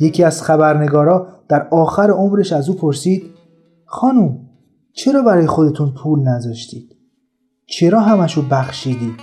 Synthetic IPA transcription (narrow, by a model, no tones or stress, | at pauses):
je̞cʰiːæz̥xæbæɾne̞ɡɒːɾɒːd̪̥æɾɒːxæɾeomɾe̞ʃæzuːpʰo̞ɾsiːd̪̥ | xɒːnum | t͡ʃʰe̞ɾɒːbæɾɒːjexod̪e̞t̪ʰunpʰuːlnæzɒːʃt̪iːd̪̥ | t͡ʃʰe̞ɾɒːɦæmæʃobæxʃiːd̪i̥ː